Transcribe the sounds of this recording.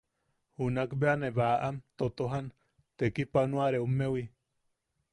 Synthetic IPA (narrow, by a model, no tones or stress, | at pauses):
hunakbeaneβaʔamt̪ot̪oɦan | t̪ekipanuaɾeumːewi